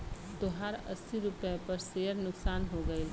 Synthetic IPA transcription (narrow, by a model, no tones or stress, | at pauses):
t̪oɦaːɾɐ̰sːiɾʊpɛpɐɾseːəɾnʊksaːnɦoːɡɐe